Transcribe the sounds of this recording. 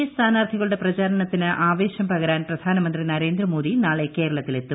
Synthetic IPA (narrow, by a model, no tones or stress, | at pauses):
ɐst̪ʰaːnaːrd̪ʱʰiɣɐɭuɽe̞prɐt͡ɕaːɾɐɳɐt̪ːinɨʔaːʋe̞ːɕjɐmpɐɣɐɾaːnprɐd̪ʱaːnɐmɐnd̪rinɐɾe̞ːnd̪rɐmo̞ːd̪inaːɭeke̞ːɾɐɭɐt̪ːile̞t̪ːu